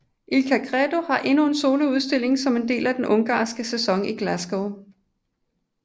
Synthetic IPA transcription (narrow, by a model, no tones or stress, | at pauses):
ʔilkʰækʰʁɛd̥o̝hɑ̈ʔe̝nue̝nso̝ːləuð̞ˠsd̥e̝l̰e̝ŋsɒ̽me̝nd̥e̝̰ːlæd̥enʔɔ̽ŋɡ̥ɑ̰̈ːsɡ̥əsesɒ̽ŋiɡ̥læsɡ̥oʊ